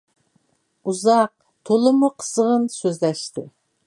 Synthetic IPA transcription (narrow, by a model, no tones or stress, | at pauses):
uzɑq̚ | t̪ʰolˠɨmuqʰə̥səʁənsøzlɛʃt̪ɪ